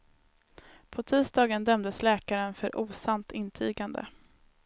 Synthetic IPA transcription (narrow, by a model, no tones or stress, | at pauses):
pʰɔt̪ʰiːsd̪ɑːɡənd̪œmd̪əslɛːkaɾənfœɾʔuːsant̪ʰɪnt̪ʰy̰ːɡand̪ə̰